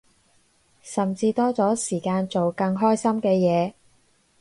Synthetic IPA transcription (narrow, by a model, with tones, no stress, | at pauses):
sɐ˨mt͡siː˧t̪ɔː˥t͡sɔː˨˥siː˨˩kaː˧nt͡so˨wkɐ˧ŋɦɔː˥jsɐ˥mkɛː˧jɛː˨˧